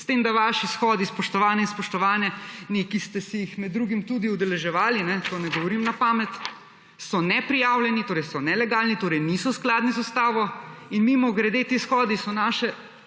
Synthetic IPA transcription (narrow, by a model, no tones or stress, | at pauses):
st̪eːmd̪aʋaːʃisxɔːd̪ispɔʃt̪ɔʋaːnɛinspɔʃt̪ɔʋaːnjɛnikist̪ɛsijixmɛd̪ːɾuɡimt̪ud̪iud̪ɛlɛʒɛʋaːlinɛkɔnɛɡɔʋɔɾimnapaːmɛt̪ | sɔnɛpɾijaːwljɛnit̪oːɾɛjsɔnɛlɛɡaːlnit̪oːɾɛɪjnisɔsklaːd̪nizust̪aːʋɔinmimɔɡɾɛd̪eːt̪esxɔːd̪isɔnaːʃɛ